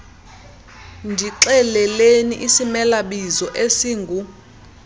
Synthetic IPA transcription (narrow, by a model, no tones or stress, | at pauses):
ndʱiǁɛlɛleniʔisimɛlaɓizɔʔesiːŋɡʱu